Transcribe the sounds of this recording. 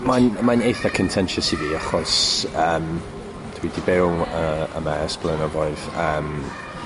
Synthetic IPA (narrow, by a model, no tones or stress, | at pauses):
manmanejθakʰəntʰɛnʃɔsiviaχɔsəːm | tʰəwidibɪwlˠəə̰mɛsb̥lˠənɔvɔɨð̥əːm